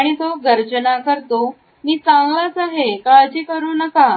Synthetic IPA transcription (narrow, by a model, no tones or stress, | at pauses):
aɽ̃it̪oɡəɾt͡ɕənakəɾt̪o | miːt͡sãŋɡlat͡saɦekaəd͡ʑiːkəɾuːnəka